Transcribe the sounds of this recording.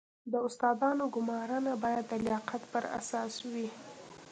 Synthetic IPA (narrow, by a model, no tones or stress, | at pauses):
d̪əʊst̪ɑd̪ɑnoɡʊmɑɾənabɑjad̪ːəlɪjɑqat̪pəɾa̰sɑswi